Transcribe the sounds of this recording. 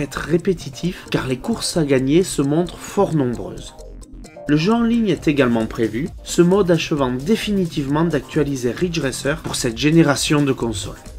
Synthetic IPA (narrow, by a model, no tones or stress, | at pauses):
ɛt̪χəːepet̪ʰit̪ʰifkaʁlekuʁsaɡaɲesəmɔ̃t̪χəfɔʁnɔ̃bʁø̰ːz | ləʒɑ̃liɲɛt̪eɡalmɑ̃pχevy | səmɔd̪aʃəvɑ̃d̪efinit̪ivmɑ̃d̪ak̚t̪ɥalizeʁid͡ʒʁɛsœʁpuʁsɛt̪ʒeneʁasjɔ̃d̪əkɔ̃sɔ̰l